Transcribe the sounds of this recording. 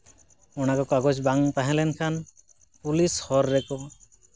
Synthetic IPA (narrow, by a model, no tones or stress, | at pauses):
ɔɽ̃akɔkaɡɔt͡ʃbaŋpaɦɛ̃lɛnkʰan | pulishɔɾːɛkɔ